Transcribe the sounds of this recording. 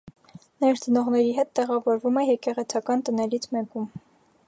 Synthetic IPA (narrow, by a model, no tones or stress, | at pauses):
nɛɾt͡sənɔʁnɛɾiɦɛt̪ːɛʁɑvɔɾvumɛjɛkɛʁɛt͡sʰɑkɑnt̪ənɛlit͡sʰmɛkum